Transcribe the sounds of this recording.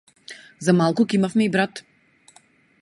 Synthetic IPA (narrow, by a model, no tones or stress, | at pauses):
zamalˠkʊkɛimafmɛibɾat̪